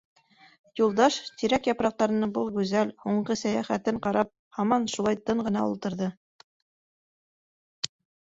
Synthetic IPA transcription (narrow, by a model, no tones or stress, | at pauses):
julˠd̪ɑʃt̪iɾækjɑpɾɑq̚t̪ɑɾɤ̆nɑbɤlˠɡʉzælhuɴɢɤsæjæχæt̪ɘɴqɑɾɑp̚hɑmɑnʃulˠɑjt̪ɤɴɢɤ̆nɑṵlˠt̪ɤ̆ɾðɤ